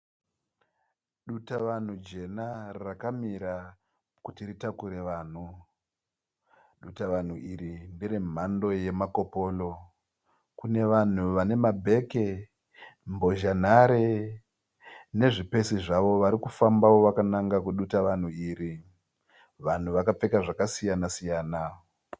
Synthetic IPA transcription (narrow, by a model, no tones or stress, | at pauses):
ɗutaʋan̤ud͡ʒe̞narakamiɾa | kutiritakuɾe̞ʋaːn̤u | ɗutaʋan̤uiɾindirim̤ando̞je̞mako̞po̞lo̞ | kune̞ʋan̤uʋane̞mabʱe̞ke̞ | mbo̞ʒan̤aɾe | ne̞ʐipe̞siʐaʋo̞ʋaɾikufambawo̞ʋakanaŋɡakuɗutaʋan̤uiːɾi | ʋan̤uʋakap͡fe̞kaʐakasijanasijaːna